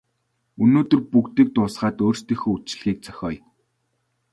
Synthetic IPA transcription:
ɵnoːt̪ɵ̆rpukt̪ĭk̚t̪ʊːsχaːt̪oːrst̪ĭxoːut͡ɕ̆ɮɣʲiːk̚t͡sœ̥xʲɔːj

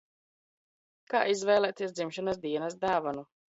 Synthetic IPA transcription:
ka̰ːʔizvɛjlˠɛːt̪iɛs̬d̪zimʃanas̬d̪iɛnasd̪aːvanu

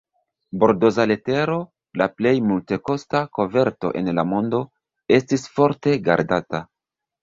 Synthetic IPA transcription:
bo̞ɾdo̞zale̞te̞ɾo̞ | laple̞jmulte̞ko̞stako̞ve̞ɾto̞̰ʔe̞̰nlamo̞ndo̞ | e̞stisfo̞ɾte̞ɡa̰ɾdata

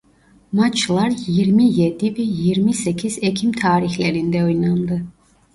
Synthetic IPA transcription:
mat͡ʃʰlˠaɾjiɾmijed̪ivɛjiɾmisɛcʰizɛcʰimt̪ʰaːɾiçlʲɛɾind̪ɛojnˠand̪ɯ

